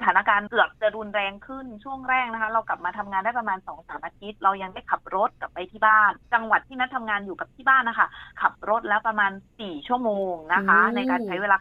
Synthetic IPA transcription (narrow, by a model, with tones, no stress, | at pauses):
at̪ʰaː˩˦na˧˥kaː˧nkɯ˨˩ək̚t͡ɕa˨˩ɾu˧nɾɛː˧ŋkʰɯ˥˩nt͡ɕʰu˥˩əŋɾɛː˥˩k̚na˦˥kʰa˦˥ɾa˧wkla˨˩p̚maː˧t̪ʰa˧mŋaː˧ndaː˥˩jpɾa˧maː˧nsɔː˩˦ŋsaː˩˦mʔaː˧t̪ʰi˦˥t̪̚ɾa˧wja˧ŋdaː˥˩jkʰa˨˩p̚ɾo˦˥t̪̚ka˨˩pːa˧jt̪ʰiː˥˩baː˥˩nt͡ɕa˧ŋwa˨˩t̪ʰːiː˥˩na˦˥t̪ʰa˧mŋaː˧njuː˨˩ka˨˩p̚t̪ʰiː˥˩baː˥˩nʔa˦kʰa̰˥˩kʰa˨˩p̚ɾo˦˥t̪̚lɛː˦˥wpɾa˧maː˧nsiː˨˩t͡ɕʰu˥˩əmoː˧ŋna˦˥kʰa˦˥na˧jkaː˧nt͡ɕʰa˦˥jweː˧laː˧